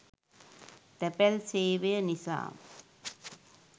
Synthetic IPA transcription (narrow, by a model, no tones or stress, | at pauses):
t̪ɛpɛlseːʋeɐnɪsa̰ːm